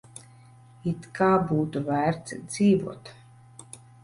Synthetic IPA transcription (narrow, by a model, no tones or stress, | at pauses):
it̪kaːbuːt̪uvæːɾt̪sd̪z̥iːvṵɔt̪